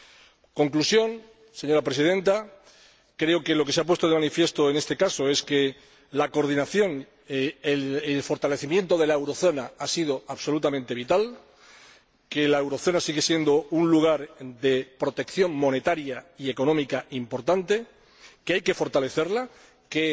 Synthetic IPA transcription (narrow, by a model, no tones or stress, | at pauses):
ko̞ŋklusjo̞ŋ | seɲo̞ɾapɾe̞sið̞ẽ̞nt̪a | kɾe̞o̞ke̞lo̞k̬e̞seap̬west̪o̞ð̞emanifje̞st̪oene̞st̪e̞kaso̞e̞ske̞ | lako̞ɾð̞inaθjo̞ŋ | elfo̞ɾt̪ale̞θimjẽ̞nt̪o̞ð̞e̞laewɾo̞θo̞naasið̞o̞aβso̞lut̪amẽ̞nt̪e̞β̞it̪al | ke̞laewɾo̞θo̞nasiɣe̞sje̞nd̪o̞unluɣ̞aɾd̪e̞pɾo̞t̪e̞kθjo̞ŋmo̞ne̞t̪aɾjaie̞ko̞nõ̞mikaimpo̞ɾt̪ant̪e̞ | keajke̞fo̞ɾt̪ale̞θe̞ɾla | ke